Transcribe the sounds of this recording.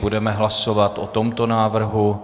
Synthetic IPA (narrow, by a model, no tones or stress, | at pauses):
budɛmɛɦlaso̞vat̪ʔot̪o̞mt̪o̞naːvr̩ɦu